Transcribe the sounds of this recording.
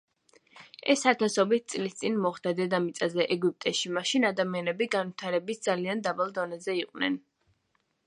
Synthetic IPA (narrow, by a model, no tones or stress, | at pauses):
ɛsat̪ʰasɔbit̪̚ʰt̪sʼlist̪sʼinmɔχd̪ad̪ɛd̪amit̪sʼazɛʔɛɡup̚ʼt̪ʼɛʃimaʃinad̪amianɛbiɡanvit̪ʰaɾɛbisd̪zaliand̪abalˠd̪ɔnɛzɛiqʼwnɛ̰n